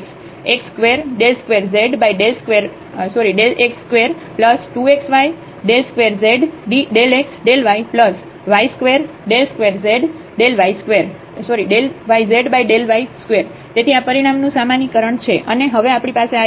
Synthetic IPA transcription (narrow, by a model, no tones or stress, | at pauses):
ks | ekskʋeɾɖelskʋeɾzeɖbajɖelskʋeɾ | sɔɾiɖelʔekskʋeɾ | pləsʈueksʋaj | ɖelskʋeɾzeɖɖiɖeleksɖelʋajpləs | ʋaiskʋeɾɖelskʋeɾzeɖ | ɖelʋaiskʋeɾ | sɔɾiɖelʋaizeɖbajɖelʋaiskʋeɾ | t̪et̪ʰiapəɾiɽ̃amnũsamanikəɾəɳt͡ʃʰeʔəneɦəʋeapɽ̃ipasea